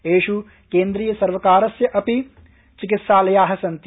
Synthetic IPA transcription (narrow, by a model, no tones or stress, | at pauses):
eːʃu | keːnd̪ɾiːjɐsɐɾʋɐkaːɾɐsjɐʔɐpi | t͡ʃikit̪saːlɐjaːɦɐsɐnt̪